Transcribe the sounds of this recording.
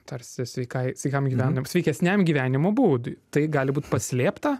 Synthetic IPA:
t̪ɐrʲsʲɪsʲʋʲɛɪkɐɪsʲʋʲɛɪkɐmɡʲiːʋʲæːnɐsʲʋʲɛɪkʲɛsʲnʲæmɡʲiʋʲæːnʲɪmobuːd̪ʊt̪ɐɪɡɑːlʲɪbuːt̪pɐsʲlʲeːpt̪ɐ

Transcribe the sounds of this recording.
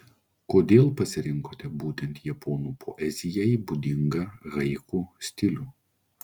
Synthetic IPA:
koːd̪ʲeːlˠpɐsʲɪɾʲɪŋkoːt̪ʲɛbuːt̪ʲɛnt̪jɛpʰɔːnuːpʰɔːʔɛzʲɪjɛibud̪ʲɪŋɡɐɾɐɪkuːsʲt̪ʲɪlʲuː

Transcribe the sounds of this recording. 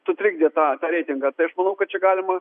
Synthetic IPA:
sʊt̪ʲɾʲɪɡ̚d̪ʲeːt̪ɑːt̪ɑːɾʲɛɪt̪ʲɪŋɡɐt̪ɐɪɐʃmɐnɐʊkɐt̚t͡ʃʲɛɡɑːlʲɪmɐ

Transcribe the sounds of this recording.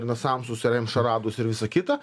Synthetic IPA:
ɾnɐsɐmsʊsʲɪɾʲɛmʲʃɐɾɑːd̪ʊsɪɾʋʲɪsɐkʲɪt̪ɐ

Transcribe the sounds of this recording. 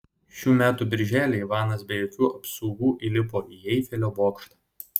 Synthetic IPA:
ʃʲuːmʲæːt̪ubʲɪɾʲʒʲæːlʲeːiʋɑːnɐsbʲejokʲuːʔɐpsɔʊɡuːʔilʲɪp̬oːʔiːjɛɪfʲɛlʲoːboːkʃt̪ɑː

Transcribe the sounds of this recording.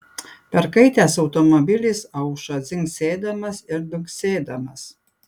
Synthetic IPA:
pʲɛɾkɐɪt̪ʲæːsɐʊt̪ɔmɔbʲɪlʲɪsɐʊʃɐzʲɪŋksʲeːd̪ɐmɐsɪɾd̪ʲʊŋksʲeːd̪ɐmɐs

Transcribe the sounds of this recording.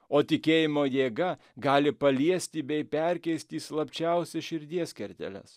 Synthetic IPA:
oːt̪ʲɪkʲeːjɪmoːjeːɡɐ | ɡɑːlʲɪpɐlʲiɛsʲt̪ʲibʲɛɪpʲɛɾʲkʲɛɪsʲt̪ʲiːslˠɐpʲt͡ʃʲɛʊsʲɛʃʲɪɾʲd̪ʲiɛsʲkʲɛɾʲt̪ʲɛ̰lʲɛ̰s

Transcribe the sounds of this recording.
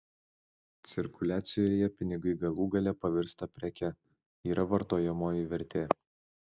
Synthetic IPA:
t̪sʲɪɾkʊlʲæːt̪sʲɪjoːjɛpʲɪnʲɪɡɐɪɡɐlˠuːɡɐlʲɛpɐʋʲɪɾst̪ɐpʲɾʲɛkʲɛ | iːɾɐʋɐɾt̪oːjɛmoːjɪʋʲɛɾʲt̪ʲeː

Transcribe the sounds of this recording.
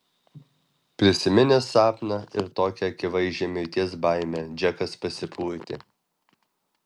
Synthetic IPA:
pʲɾʲɪsʲɪmʲɪnʲɛsɑːpnɑɪɾt̪oːkʲɛɐkʲɪʋɐɪʒʲemʲɪɾʲt̪ʲiɛsbɑˑɪmʲɛd͡ʒʲɛkɐspɐsʲɪpʰuːɾʲt̪ʲɪ̰

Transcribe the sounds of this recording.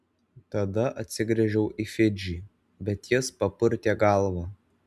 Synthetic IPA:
t̪ɐd̪ɐʔɐt̪ʲsʲɪɡɾʲɛʒʲɛʊʔifʲɪd͡ʒʲiː | bʲɛt̪jɪspɐpʊɾʲt̪ʲeːɡɐˑlˠʋɑː

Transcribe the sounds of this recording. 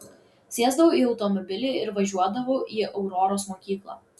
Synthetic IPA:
sʲeɛzd̪ɐʋoiːɒʊt̪ɔmɔbʲɪlʲeːɪɾʋɐʒʲuɔd̪ɐʋoːʔiːʔɐʊɾɔɾoːsmoːkʲiːklˠɑ̰ː

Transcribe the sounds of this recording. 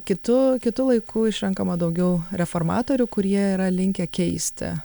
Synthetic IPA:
kʲɪt̪ʊkʲɪt̪ʊlˠɐɪkʰʊɪʃʲɾʲɛŋkɐmɐd̪ɐʊɡʲɛʊɾʲɛfoːrmɑ̰ːt̪oːɾʲʊkʊɾʲiɛiːɾɐlʲɪŋʲkʲɛkʲɛɪsʲt̪ʲɪ̰

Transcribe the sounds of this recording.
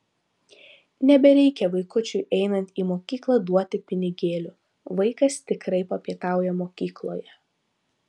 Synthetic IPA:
nʲɛbʲɛɾʲɛɪkʲɛʋɐɪkʊt͡ʃʲʊɪʔɛɪnɐnʲt̪ʲiːmoːkʲiːklˠɐd̪uɔt̪ʲɪpʲɪnʲɪɡʲeːlʲu | ʋɐɪkɐst̪ʲɪkɾɐɪpɐpʲiɛt̪ɑˑʊjɛmoːkʲiːklˠo̰ːjɛ

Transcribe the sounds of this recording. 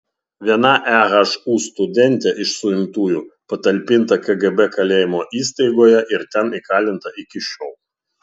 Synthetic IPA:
ʋʲiɛnɐʔæɣɐʃuːst̪ʊd̪ʲɛnʲt̪ʲɛʔɪʃsʊɪmt̪uːjuːpɐt̪ɐlʲpʲɪnt̪ɐkɐɡɛbɛkɐlʲeːjɪmoːʔiːst̪ɐɪɡoːjɛʔɪɾt̪ʲɛnikɑːlʲɪnt̪ɐʔɪkʲɪʃʲɔːlˠ

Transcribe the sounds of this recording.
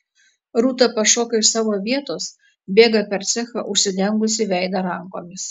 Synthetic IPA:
ɾuːt̪ɐpɐʃoːkɐɪʃsɑːʋoːʋʲiɛt̪oːs | bʲeːɡɐpʲɛɾt̪sʲɛxɐʔʊʃʲsʲɪd̪ʲɛŋɡʊs̬ʲɪʋʲɛɪd̪ɐɾɐŋkoːmʲɪs

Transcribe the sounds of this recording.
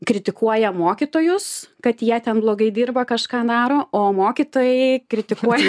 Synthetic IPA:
kɾʲɪt̪ʲɪkuɔjɛmoːkʲit̪oːjʊskɐt̪jiɛt̪ʲɛnblˠoːɡɐɪd̪ʲiːrbɐkɐʃkɑːd̪ɑːɾoːoːmoːkʲit̪oːjɛɪkɾʲɪt̪ʲɪkuɔjɛ

